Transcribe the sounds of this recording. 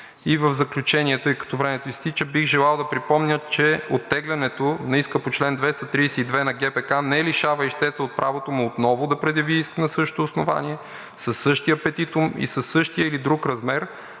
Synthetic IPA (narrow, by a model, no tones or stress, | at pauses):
ivəvzɐklʲut͡ʃɛnʲiɛt̪əjkɐ̥t̪ɔvɾɛmɛt̪oist̪it͡ʃəbixʒɛlˠalˠd̪ɐpɾipɔmnʲət͡ʃɛot̪ːɛɡlʲɛnɛt̪onɐiskəpot͡ʃlɛnd̪vɛst̪ɐt̪ɾiːsɛid̪vɛnɐɡɛpɛkanɛliʃavɐiʃt̪ɛt̪səot̪̚pɾʔavot̪omuot̪nɔvʊd̪ɐpɾɛd̪jɐviiskənəsɤʃo̥t̪oːsnova̰niɛ | sɐsːɤʃt̪iəpɛt̪it̪ʊmḭsəsːɤʃt̪ijəilid̪ɾukɾɐzmɛɾ